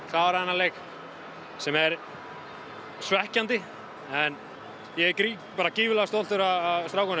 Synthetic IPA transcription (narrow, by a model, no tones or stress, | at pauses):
θavaɾaðɛnːaleːjk | sɛmɛɾ | svɛhcant̪ɪ | ɛn | jɛkɾi | paːɾaciːvɪlast̪owlt̪ʏɾaðaðst̪ɾawkʏnɪ